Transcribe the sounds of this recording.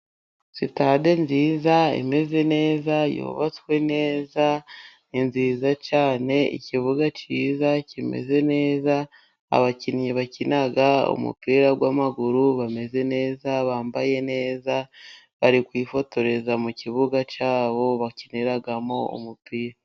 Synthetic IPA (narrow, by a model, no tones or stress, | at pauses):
sitade̞nziːzaḛme̞ze̞ne̞ːzajo̰βat͡skwe̞ne̞ːza | inziːzat͡ʃaːne̞ḭciβuɡat͡ʃiːzacime̞̰ze̞ne̞ːza | a̰βacinɲiβacinaɡaṵmṵpiːɾaɡwaːmaɡuɾuβame̞ze̞ne̞ːzaβaːmbaje̞ne̞ːza | βaɾikwiːfo̞to̞ɾe̞zamuciβuɡat͡ʃaːβo̞βaciniɾaɡamo̞ṵmupiːɾa